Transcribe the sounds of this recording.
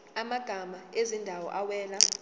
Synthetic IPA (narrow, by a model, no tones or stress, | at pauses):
amaɡ̥ʱamaezindʱawɔ̰ʔawɛːla